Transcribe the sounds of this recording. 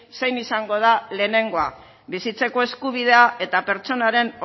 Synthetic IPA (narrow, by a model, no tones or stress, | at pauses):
se̞jnisaŋɡo̞ð̞ale̞ːne̞ŋɡo̞a̰ | βisit͡se̞ko̞e̞skuβ̞ið̞e̞ae̞t̪ape̞ɾt͡so̞naɾe̞n